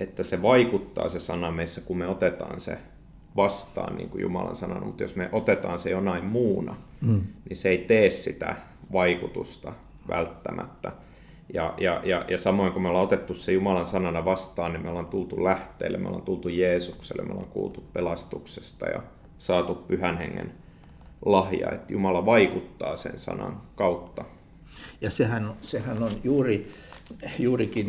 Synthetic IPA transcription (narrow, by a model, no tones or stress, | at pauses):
et̪ːæseʋɑikut̪ːɑ̰ːsesɑnɑmeisːækummeot̪et̪ɑ̰ːnsḛ | ʋɑst̪ɑ̰ːnnḭːŋkujṵmɑ̰lɑ̰nsɑnɑnɑmut̪jo̰smeʔot̪et̪ɑːnsejonɑimmuːnɑ̰ | niseeit̪eːssit̪æ̰ | ʋɑikut̪ust̪ɑ | ʋæ̰lt̪ːæmʔæ̰t̪ːæ | jɑjɑjɑjɑsɑmoiŋkomeoleot̪et̪ːussejumɑlɑnsɑnɑnɑʋɑst̪ɑːnnimeolːɑnt̪ult̪ulæht̪ˑḛːlːḛmeo̰lɑ̰nt̪ult̪ujeːsuksḛlemeo̰lɑ̰ŋkṵːlt̪uppelɑst̪ukse̥st̪ɑjɑ̰ | sɑːt̪uppyhænheŋːḛn | lɑhjɑ̰ḛt̪jumɑlɑʋɑikut̪ːɑːsḛnsɑ̰nɑ̰ŋkɑut̪ːɑ | jɑsehænosehænonjuːri | juːrikin